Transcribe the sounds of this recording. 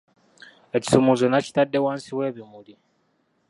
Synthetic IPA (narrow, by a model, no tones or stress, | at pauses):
eci̥sumuzenaci̥tadːewaːnsiweβimuli